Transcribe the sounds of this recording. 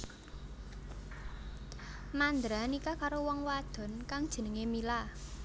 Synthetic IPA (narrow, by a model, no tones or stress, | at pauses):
mand̪ɾanikakaɾowɔŋwad̪̥ɔ̤nkaŋd̥ʒ̥ə̤nəŋemila